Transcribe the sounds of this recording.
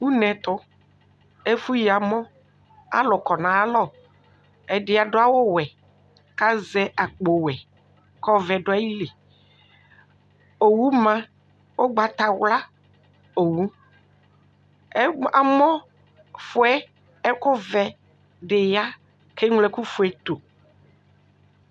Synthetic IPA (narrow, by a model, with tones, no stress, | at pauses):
wu˦nɛ̃˨t̪ʊ˦ | e˦fu˦ji˨a˨mɔ̃˦ | a̰˦lɔ˨kɔ˨nã˨a˦lɔ˦˨ | ɛ˨dɪ˨a˨ɖʊ˦a˦wo˦wɛ˨ | ka˦zɛ˦ʔa˨k͡po˨wɛ˨ | kɔ˦vɛ˨ɖʊ˦a˦ji˦le˨ | o˨wu˦mã˦ | wo˦ɡ͡ba˨t̪a˨wla˦ | o˨wu˦ | a̰˨mɔ̃˦ | fo˦ɛ˦ | ɛ˦ko˦vɛ˨ | ɖe˨ja˦ | ke˦ŋ˦lɛ˦ku˦fu˨ɛ˦t̪o˨